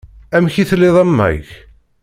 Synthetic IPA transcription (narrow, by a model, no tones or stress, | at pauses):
æmçiθlːɪðˤæmːæ̰ʝ